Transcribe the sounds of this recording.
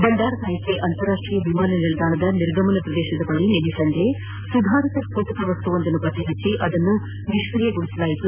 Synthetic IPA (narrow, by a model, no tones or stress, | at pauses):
bɐnd̪aːɾɐnaːjɐkeʔɐnt̪ɐɾːaːʂʈɾijɐbimaːnɐniɭɐd̪aːɳɐd̪ɐniɾɡʱɐmɐnɐpɾɐd̪ɛːʃɐd̪ɐbɐɭinedisɐnd̪ʱe | sud̪ʱaːɾit̪ɐsp̪ʰoːt̪ɐk̪ɐʋɐst̪uond̪ɐnupɐt̪iɦɐt͡ʃːiʔɐd̪ɐnːu | niʃʋɾijeɡuɭisɐlaːjit̪u